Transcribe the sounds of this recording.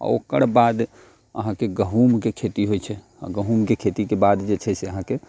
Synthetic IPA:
ɔ̰o̰kəɽbad̪ | ə̰ɦãkeɡəɦumkekʰet̪iɦojt͡ʃʰɛ | a̰ɡəɦumkekʰet̪ikebad̪d͡ʒet͡ʃʰɛseəɦãke

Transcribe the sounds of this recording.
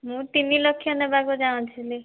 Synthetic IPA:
mũt̪inːilɔkʰːjɔnebaɡud͡ʒaw̃t͡ʃʰili

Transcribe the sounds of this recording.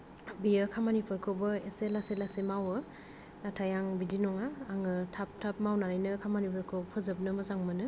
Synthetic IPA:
bijɯkʰamanipʰɯɾkʰobɯeselaselasemawɯ | natʰajaŋbidinɔŋaːŋɯtʰap̚tʰap̚mawnaɾajnɯkʰamanipʰɯɾkʰopʰɯzɯp̚nɯmɯzaŋmɯnɯ

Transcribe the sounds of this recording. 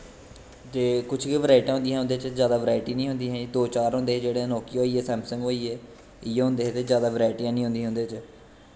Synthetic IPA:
t̪eːkʊt͡ʃʰkiʋəɾaːɪʈãːɦʊ̃nd̪ijãɦʊ̃nd̪eːt͡ʃzjaːd̪aːʋəɾaːɪʈiːnĩːɦʊ̃nd̪iːɦɛ̃id̪oːt͡ʃaːɾɦʊ̃nd̪eːd͡ʒeːɽeːnoːkiːoːiːeːsɛ̃ːmsə̃ŋɡoːiːeː | ɪjeːɦʊ̃nd̪eːɦeːt̪eːzjaːd̪aːʋəɾaːɪʈijãːnĩːʊ̃nd̪iːɦʊ̃nd̪eːt͡ʃ

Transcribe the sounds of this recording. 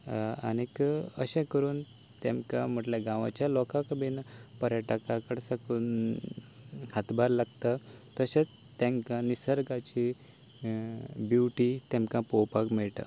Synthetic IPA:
a̰nikə̰ɕẽkəɾuːn | t̪emkãm̤əʈljaɡãʋa̰t͡ɕjalɔkãkbinpəɾjaʈakakəɽsakun | hat̪baɾlaɡt̪ət̪əɕẽt͡s | t̪ẽŋkãnisəɾɡat͡ɕi | bjuʈit̪ɛmkãpowpakmeɭʈə̰

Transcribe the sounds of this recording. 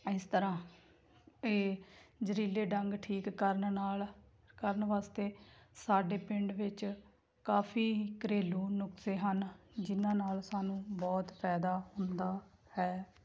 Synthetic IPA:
ɪst̪əɾãː | eːd͡ʒəɾiːleːɖəŋɡʈʰiːkːəɾnnaːl | kəɾnʋaːst̪eːsaːɖeːpɪɳɖʋɪt͡ʃ | kaːpʰiːkəɾeːlũːnʊkseːɦənd͡ʒɪnãːnaːlsaːnũːbɔːt̪pʰɛːd̪aːhʊnd̪aː | hɛː

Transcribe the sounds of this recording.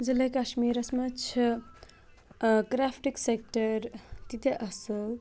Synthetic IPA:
d͡zilɐkaʃmiɾɐsmɐt͡ʃʰ | kɾapʰʈiksek̚ʈɐɾt̪it̪eʔɐsɨl

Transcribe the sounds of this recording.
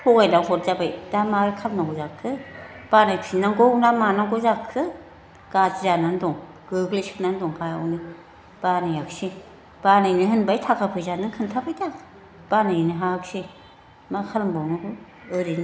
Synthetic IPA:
hɔɡajdaŋhʰɔt̚zabajdamaɾkʰalnaɡɔzakʰɯb̥anajak̚sinaŋɡɔwnamanaɡɔzakʰːɯ | ɡ̥ad͡ʒzanandɔŋ | ɡ̥ɯɡlesipnandɔŋpʰajawnɯ | b̥anajaksi | b̥anajniɦɯnbajtʰakʰapʰɯjzanɯŋkʰɯntʰabʰajdakʰ | b̥anajniɦaksi | makʰalmbɔwnɯɡɯ | ɯɾin

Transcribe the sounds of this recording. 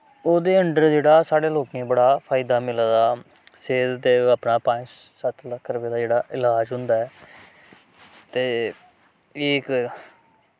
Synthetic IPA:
oːd̪eːəɳɖəɾd͡ʒeːɽaːsaːɽeːloːkẽːbəɽaːpʰaːɪd̪aːmɪld̪aː | seːd̪d̪eːəpnaːpãːt͡ʃ | sət̪ʰləkʰːɾəpeːd̪aːd͡ʒeːɽaːʔɪlaːd͡ʒɦʊ̃nd̪aːɛː | t̪eː | ɪːk

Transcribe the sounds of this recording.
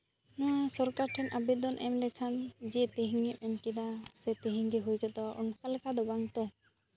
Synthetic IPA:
nɔwasɔɾkaʈʰɛnʔabid̪ɔnʔɛmlɛkʰand͡ʒiʔt̪iɦiŋiʔmɛnkid̪asɛt̪iɦiŋɡiɦujkɔd̪ɔʔɔnkalɛkad̪ɔbaŋt̪ɔ

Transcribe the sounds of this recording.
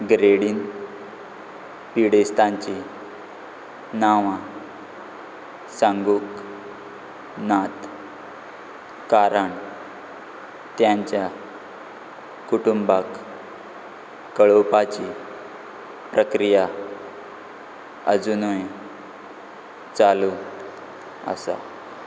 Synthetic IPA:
ɡɾeɽiːn | piɽest̪ãɲt͡ɕi | naʋã | sãŋɡuːk | nat̪ | kaɾəɳ | t̪jãɲt͡ɕja | kuʈumbak | kːəɭopat͡ɕi | pɾəkɾija | ə̰d͡zunoj | t͡salu | ə̰sa̰

